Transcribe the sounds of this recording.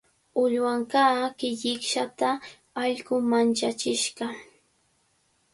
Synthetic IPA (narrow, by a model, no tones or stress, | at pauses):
ʊʎwaŋkaːkɪʎɪkʃat̪a | ɑʎɢʊmant͡ʃat͡ʃɪʃɢɑ